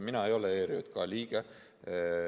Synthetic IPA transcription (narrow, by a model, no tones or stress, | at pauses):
minɑe̞jo̞leeːɾio̰t̪kɑlʲiːɡ̥e